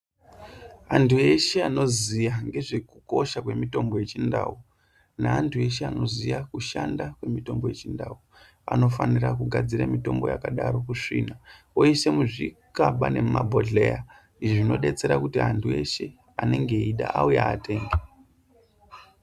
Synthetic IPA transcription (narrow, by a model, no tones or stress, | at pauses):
antʰue̞ʃe̞ano̞zijaŋɡe̞ʐe̞kuko̞ʃakwe̞mito̞mbo̞je̞t͡ʃindaːu | naantʰue̞ʃeano̞zijakuʃandakwe̞mito̞mbo̞je̞t͡ʃindau | a̰no̞fanirak̬uɡʱad͡ziɾamito̞mbo̞ja̰kaɗaɾo̞kuʂina | ojese̞muʐikaɓane̞mabʱoɮeja | iʐʐino̞ɗe̞t͡se̞ɾakutiantʰue̞̰ʃe | ane̞ŋɡe̞iɗa̰aujaːte̞ːŋɡe